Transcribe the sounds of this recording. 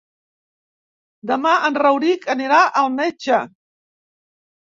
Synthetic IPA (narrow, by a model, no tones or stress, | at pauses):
d̪əmaʔənrəwɾikəniɾaʔəlˠmet͡ʃə